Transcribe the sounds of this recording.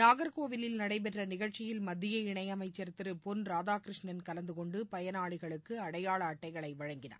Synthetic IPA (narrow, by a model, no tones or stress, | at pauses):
naːɣɐɾkoːʋɪlɪlnɐɽɐɪpɛʈrɐnɪɣɐɭt͡ʃːɪjɪlmɐd̪ːɪjɐɪɳɐjɐmɐɪt͡ʃːɐɾt̪ːɪɾɯpɔnɾaːðaːkɾɪʂɳɐnkɐlɐnd̪ɯkɔɳɖɯpɐjɐnaːɭɪɣɐɭɯkːɯɐɽɐjaːɭɐːʈːɐɪɣɐɭɐɪʋɐɻɐŋɡɪna̰ː